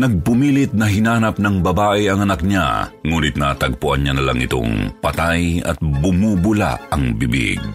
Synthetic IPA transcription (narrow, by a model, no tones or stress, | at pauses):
nɐɡ̚pʊmilɪt̪̚nɐɦɪnaːnɐp̚nɐŋbɐbaːʔɛɐŋɐnɐk̚ɲa̰ŋuːnɪt̪nɐt̪ɐɡ̚pʊʔɐnɲanɐlaŋʔɪt̪o̰ŋpɐt̪ajɐ̰t̪̚bʊmubʊla̰ɐŋbɪbḭɡ̚